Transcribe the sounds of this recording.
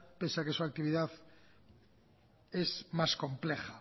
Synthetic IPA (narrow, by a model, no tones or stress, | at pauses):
pesakesuak̚t̪iβ̞iðaθ | ezmaskõ̞mplexa